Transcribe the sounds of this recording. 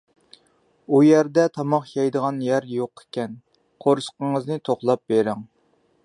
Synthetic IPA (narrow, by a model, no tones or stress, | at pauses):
ujæɾd̪ɛt̪ʰɑmɑχjɑjd̪əʁɑnjæɾjoqʰe̥kʲɛn | qʰoɾʃqəŋəznɨt̪ʰoχlˠɑp̚beɾɪŋ